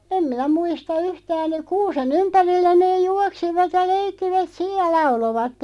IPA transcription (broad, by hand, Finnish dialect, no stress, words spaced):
em minæ muistɑ yhtæːn kuːsen ympærilːæ neːj̆ juɑksiʋɑt jɑ leikːiʋæt sij jɑ lɑuloʋɑtːen